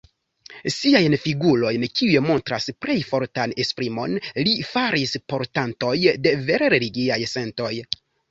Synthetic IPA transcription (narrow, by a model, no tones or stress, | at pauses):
siajnfiɡulo̞jnkiujemo̞ntɾaspɾʔe̞jfo̞ɾtane̞spɾimo̞̰nlifaɾispo̞ɾtanto̞jde̞ve̞ɾe̞ɾe̞liɡiajse̞nto̞j